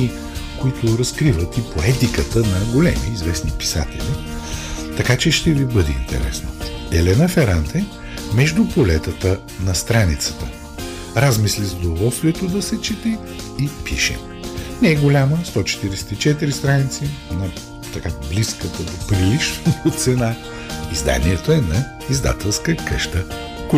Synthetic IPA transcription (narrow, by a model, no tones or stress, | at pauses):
i | koit̪ʊɾɐskɾivət̪ipoɛt̪ikət̪ənɐɡolɛmiːzvɛsnipi̥sa̰t̪ɛ̰lʲi | t̪ɐkat͡ʃɛʃt̪ɛvibɤd̪ɛḭnt̪ɛ̰ɾɛ̰snəɛlɛnəfɛɾant̪ɛ | mɛʒd̪ʊpolɛt̪ət̪ə | nɐst̪ɾanit̪sə̥t̪ə | ɾazmislizəd̪ovɔlˠst̪vʲiɛt̪od̪ɐsɛt͡ʃit̪ɛ | ipiʃɛ̰ | nɛɛɡolʲaməst̪ɔt͡ʃɛ̥t̪iɾɛsɛ̥t̪it͡ʃɛt̪iɾist̪ɾanit̪sinɐ | t̪ɐkabliskət̪əd̪opɾilit͡ʃnoot̪sɛna | izd̪a̰niɛt̪oɛnɐ | izd̪a̰t̪ɛlˠskəkəʃt̪ə | kʊ